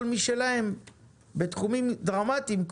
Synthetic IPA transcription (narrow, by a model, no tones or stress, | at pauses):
lmiʃelaem | bet̪χumimd̪ʁamat̪imk